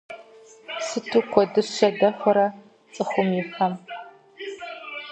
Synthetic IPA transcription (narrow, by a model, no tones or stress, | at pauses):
sɨtʰuːkʷʰɔdɨɕɕɐdɐxʷɐɾɐ | t͡sʼɨxʷʊmjɪfɐm